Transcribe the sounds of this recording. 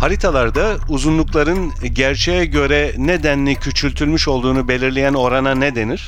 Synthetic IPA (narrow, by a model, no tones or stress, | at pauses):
haɾit̪ʰalˠaɾd̪a | uzunlˠuklˠaɾɯnɟæɾt͡ʃʰɛjɛɟø̞ɾɛned̪ænlʲicʰyt͡ʃʰylʲt̪ʰylʲmyʃo̞lˠd̪uːnube̞lʲiɾlʲejæno̞ɾananed̪e̞niɾ̥